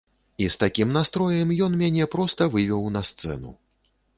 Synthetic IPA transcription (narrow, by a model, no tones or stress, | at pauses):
ist̪akʲimnast̪ɾɔjɛmjɔnmʲanʲɛpɾɔst̪ɐvɨvʲɛwnɐst̪sɛ̰nṵ